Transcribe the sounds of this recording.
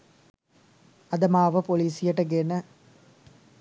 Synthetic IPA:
ɐd̪ɐmaːʋɐpoliːsijɐʈɐɡenɐ

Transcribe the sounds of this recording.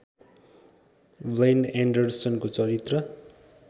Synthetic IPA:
blejnaɳɖʌrsʌnkot͡sʌɾit̪rʌ

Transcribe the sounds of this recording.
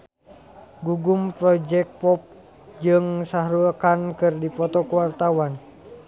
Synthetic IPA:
ɡuɡumpɾɔd͡ʒɛk̚pɔp̚ | d͡ʒɨŋsaɦɾuakankɨrdipɔt̪ɔkuwart̪awan

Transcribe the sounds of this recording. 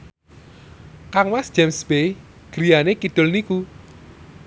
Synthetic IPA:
kaŋwasd̥d͡ʒ̥ɛmsb̥ej | ɡ̥ɾijanekid̪̥ʊlniku

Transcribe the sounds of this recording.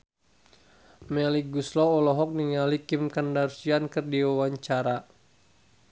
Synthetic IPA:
mɛliɡuslɔɔlɔɦɔk̚niŋalikimkandarsiankərdiwawaɲt͡ʃaɾa

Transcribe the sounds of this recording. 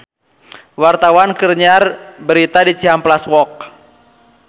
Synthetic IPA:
wart̪awankərɲarbəɾit̪adit͡ʃiamplaswɔk̚

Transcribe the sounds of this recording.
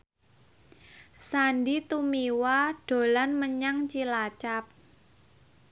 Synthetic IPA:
sandit̪umiwaɖ̥o̤lanməɲaŋt͡ʃilat͡ʃap̚

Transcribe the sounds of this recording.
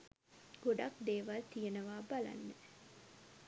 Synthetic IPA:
ɡ̥oɖakd̪eːʋalt̪ijenəʋaːbala̰nːə

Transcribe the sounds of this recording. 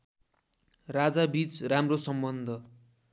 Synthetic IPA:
rad͡zabit͡sramrosʌmbʌnd̪ʱʌ

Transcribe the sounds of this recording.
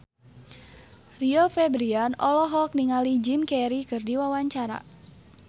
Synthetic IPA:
riofɛbɾianɔlɔɦɔk̚niŋalid͡ʒimkɛɾikɨrdiwawaɲt͡ʃaɾa̰

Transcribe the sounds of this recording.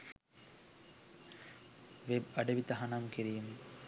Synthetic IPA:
ʋebɐɖəʋit̪ɐɦanamkiɾijəm

